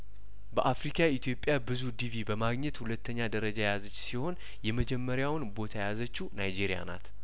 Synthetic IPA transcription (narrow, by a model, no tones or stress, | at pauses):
bəʔafɾikʰait̪ʰjo̞pʼːjabɨzud̪ivibəmaɡɲɛt̪hulət̪ːəɲːad̪əɾəd͡ʒajejazət͡ʃːsiho̞n | jɛməd͡ʒɛmːəɾjawnbo̞t̪ʰajazət͡ʃːunajd͡ʒiɾija̰na̰t̪